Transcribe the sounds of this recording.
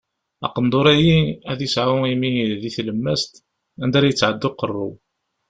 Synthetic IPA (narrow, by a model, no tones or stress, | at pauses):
ɑ̰qənd̪ˤoɾæjiæðjəsʕawimiðiθləmːæst̪ | ænd̪æɾæjət͡sːʕəd̪ːʊqːərˤːṵ